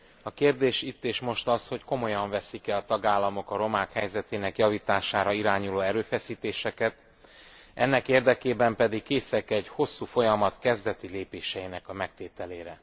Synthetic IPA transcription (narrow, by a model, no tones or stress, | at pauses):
ɒkeːrd̪eːʃit̪ːeːʃmo̞ʃt̪ɒsho̞cko̞mo̞jɒɱvɛsikɛɒt̪ɒɡaːlːɒmo̞kɒɾo̞maːkhɛjzɛt̪eːnɛkjɒviːt̪aːʃaːɾɒiɾaːɲuloːɛɾøːfɛsiːt̪eːʃɛkɛt̪ | ʔɛnːɛkeːrd̪ɛkeːbɛmpɛd̪ikkeːsɛkɛɟho̞sːuːfo̞jɒmɒt̪kɛzd̪ɛt̪ileːpeːʃɛinɛkɒmɛk̚t̪eːt̪ɛleːɾɛ